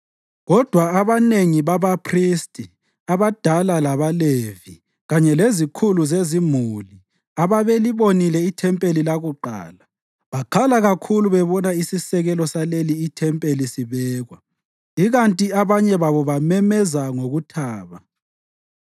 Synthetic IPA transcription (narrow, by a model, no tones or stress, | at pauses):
ɣɔd̥ʱwaaβaneŋiβaβapʰristʼi | aβad̥ʱalalaβalevi | ɣaɲɛlezikʰuluzezimuli | aβaβeliβonilɛitʰɛmpʼelilaɣuǃa̰ːla | βakʰalaɣakʰuluβɛβɔnaisisɛɣɛlɔsaleliːtʰɛmpʼelisiβɛːɣwa | iɣantʼiaβaɲɛβaβɔβamɛmɛzaŋoɣutʰaːβa